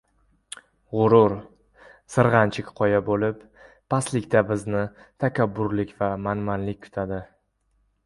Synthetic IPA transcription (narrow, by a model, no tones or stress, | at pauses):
ʁʊɾʊɾ | sɨɾʁɑnt͡ʃʰɪkʲqʰɒjabolɪpː | aslɪkʲt̪abɪznɪt̪ʰakʲʰabːʊɾlɪkʲvamanmanlɪk̚ʲkʰʊ̥t̪ʰad̪ɪ